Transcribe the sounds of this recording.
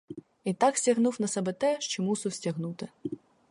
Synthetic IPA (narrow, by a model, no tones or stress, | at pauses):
it̪ɑksʲtʲɐɦnuwnɐsɛbɛt̪ɛʃt͡ʃɔmusʊwsʲtʲɐɦnut̪ɪ